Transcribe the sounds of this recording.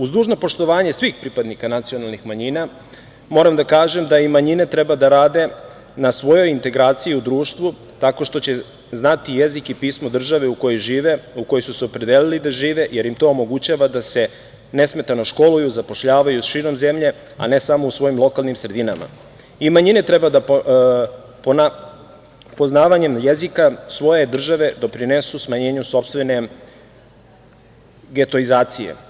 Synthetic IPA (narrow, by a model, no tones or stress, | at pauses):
uzd̪uːʒno̞po̞ʃt̪o̞ʋaːɲe̞sʋixpɾipad̪nikanat̪sio̞nalˠnixmaɲina | mo̞ɾamd̪akaːʒe̞md̪aimaɲine̞t̪ɾe̞bad̪aɾaːd̪e̞ | nasʋo̞jo̞jint̪e̞ɡɾaːt̪sijiud̪ɾuːʃt̪ʋu | t̪ako̞ʃt̪o̞t͡ɕe̞ | znat̪ije̞zikipiːsmo̞d̪r̩ʒaʋe̞uko̞jojʒiːʋe̞uko̞josuseopɾe̞d̪elilid̪aʒiːʋe̞je̞ɾjimt̪o̞ːmo̞ɡut͡ɕaʋad̪ase̞ | ne̞sme̞t̪ano̞ʃko̞lujuzapo̞ʃʎaːʋajusʃiːɾo̞mze̞mʎe̞ | a̰ne̞samo̞usʋo̞jimlˠo̞kalˠnimsɾe̞d̪inama̰ | imaɲinet̪ɾe̞bad̪a | pona | po̞znaːʋaɲe̞mjezikasʋo̞je̞d̪r̩ʒaʋe̞d̪o̞pɾinesusmaɲe̞ːɲuso̞pst̪ʋe̞ne̞ | ɡe̞t̪o̞izaːt̪sijḛ